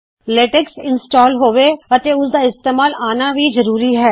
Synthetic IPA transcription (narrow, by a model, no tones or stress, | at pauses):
leːʈeksɪnsʈaːlɦoːʋeːət̪eːʊsd̪aːɪst̪eːmaːlaːnaːʋiːzəɾuːɾiːɦɛː